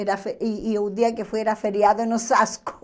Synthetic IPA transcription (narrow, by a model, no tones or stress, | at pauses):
eɾafeiːʊd̪iakefojeɾafeɾjaðʊnʊsaskʊ̥